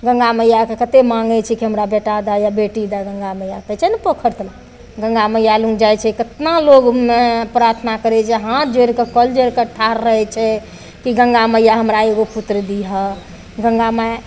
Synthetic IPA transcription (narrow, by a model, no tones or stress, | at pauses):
ɡə̃ŋɡaməjakekət̪emaŋɡɛt͡ʃʰikiɦəmɾabeʈad̪ajabeʈid̪aɡə̃ŋɡamejakət͡ʃʰɛnəpəkʰəɾt̪l | ɡə̃ŋɡamejalũŋɡd͡ʒajt͡ʃʰɛkət̪naloɡmepɾaɾt̪ʰnakəɾɛt͡ʃʰɛɦãt̪d͡ʒeɾkekəld͡ʒeɾkeʈʰaɾːəɦɛt͡ʃʰɛ | kiɡə̃ŋɡaməjaɦəmɾaeɡoput̪ɾəd̪iɦə | ɡəŋɡame